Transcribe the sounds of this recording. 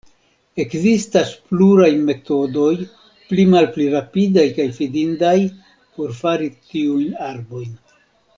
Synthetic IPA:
e̞kzistaspluɾajme̞to̞do̞j | plimalpliɾapidajkajfidindaj | po̞ɾfaɾitiujnaɾbo̞jn

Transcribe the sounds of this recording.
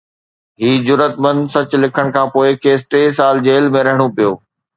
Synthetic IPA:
ɦiːd͡ʑʊɾət̪mə̃nd̪sɐt͡ɕʊlɪkʰəɽ̃kʰãːpoːɪkʰeːsʈeːsaːld͡ʑeːlmẽɾɐɦɪɽ̃opijoː

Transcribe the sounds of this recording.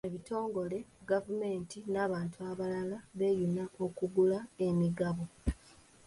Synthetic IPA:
eβito̞ːŋɡo̞le̞ɡavume̞ːntinaːβaːntʰuaβalalaβe̞ːjunao̞kuɡulae̞miɡaβo̞

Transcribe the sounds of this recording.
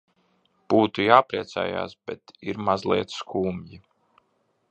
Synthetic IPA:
b̥uːt̪ujaːpɾiɛt̪sæ̰ːja̰ːsb̥ɛt̪iɾmazlˠiɛt̪sskʰuːmji

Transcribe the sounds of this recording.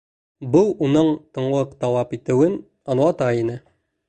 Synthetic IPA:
buunɤɴt̪ɤ̆ɴlˠɤqd̪ɒwɑpit̪ɘ̆wɘn | ɒnwɑt̪ɑinɘ

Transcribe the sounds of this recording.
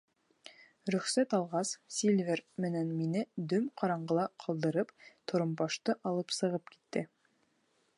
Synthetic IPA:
ɾɵ̆χsæt̪ɑlˠʁɑssʲilʲvʲeɾmɘ̆nænminɘd̪ɵmqʰɑɾɑɴɢɤlˠɑqʰɤ̆lˠd̪ɤ̆ɾɤpt̪ʰŏɾɤ̆mbɑʃt̪ɤʔɑlˠɤpsɤ̆ʁɤpki̥t̪ːɘ

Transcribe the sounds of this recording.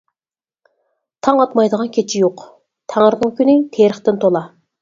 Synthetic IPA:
t̪ʰɑŋɑt̪mɑjd̪əʁɑnkʲʰet͡ʃʰijoq | t̪ʰæŋəɾnəŋkʲynɪt̪ʰeɾəχt̪ɪnt̪ʰolˠɑ

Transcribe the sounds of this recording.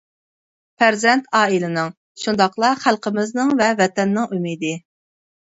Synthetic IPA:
pʰæɾzɛnt̪ʰɑːilɪnɨŋ | ʃund̪ɑqlˠɑχælˠqəmɪznɨŋvɛvɛt̪ɛnːɪŋʔymid̪ɪ

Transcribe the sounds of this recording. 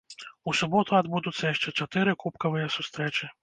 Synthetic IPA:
usubɔt̪ʊad̪bud̪ʊt̪sʲːɐjɛʂt͡ʂɛt͡ʃɐt̪ɪɾɪkupkɐʋɨjɐsust̪ɾɛt͡ʃɪ

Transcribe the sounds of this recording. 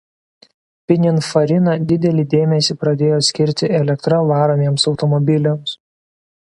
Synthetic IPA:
pʲɪnʲɪnfɐɾʲɪnɐd̪ʲɪd̪ʲɛlʲid̪ʲeːmʲɛsʲiːpɾɐd̪ʲeːjoːsʲkʲɪɾʲt̪ʲɪɛlʲɛkt̪ɾɐʋɑːɾɐmʲeːmsɒʊt̪ɔmɔbʲɪlʲɛms

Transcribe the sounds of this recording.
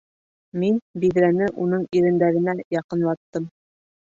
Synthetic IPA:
minbiðɾænɘʔunɤɴiɾɘ̆nd̪æɾɘ̆næjɑqɤ̆nlˠɑt̪ːɤm

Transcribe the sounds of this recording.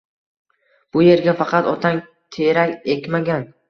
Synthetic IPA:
b̥ʊje̞ɾɡʲafɑqɑt̪ɒt̪ʰaŋ | t̪ʰeɾakʲekʲmaɡʲan

